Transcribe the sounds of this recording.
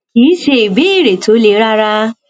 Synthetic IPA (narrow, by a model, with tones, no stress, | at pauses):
iː˨˦ʃe˧i˨be˨˦i˦˨ɾe˨to˨˦le˧˦ɾa˦ɾa˦